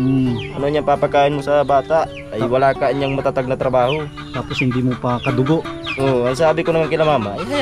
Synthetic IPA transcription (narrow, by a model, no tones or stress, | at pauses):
anoɲapapakainmusabat̪aʔ | ajwalakaɲaŋmat̪at̪aɡ̚nat̪ɾabaɦu | t̪apɔshind̪imupakad̪uɡɔʔoans̬abikɔnamaŋkilamamaj